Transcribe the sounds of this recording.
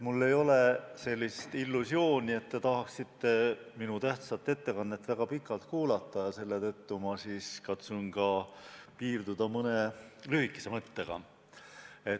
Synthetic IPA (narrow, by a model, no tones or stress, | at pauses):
mulːe̞jo̞lese̞lʲːist̪ilːusjo̞ːnʲie̞t̪ːe̞t̪ɑɦɑksit̪ːe̞minut̪æht̪sɑt̪ˑːe̞t̪ːe̞kɑnːet̪ːˑvæɡ̥ɑpikːˑɑlt̪kuːlɑt̪ˑːɑjɑse̞lːet̪ɤt̪ːumɑsiːskɑt̪suŋɡ̥ɑpiːrd̪ud̪̥ɑmɤne̞lyhikːˑe̥se̞mɤt̪ːeɡ̥ɑ̰ | e̞